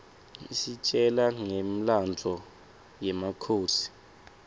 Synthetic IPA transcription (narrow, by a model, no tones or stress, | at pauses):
isit͡ʃʼɛlaŋem̩land͡zʱɔ | jɛmakʰoːsi̥